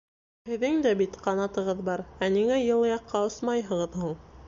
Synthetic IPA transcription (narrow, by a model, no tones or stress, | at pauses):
hɘ̆ðɘŋd̪æbit̪qɑnɑt̪ɤ̆ʁɤðbɑɾæniŋæjɤ̆lˠɤjɑqːɑosmɑjɦɤ̆ʁɤðhulˠ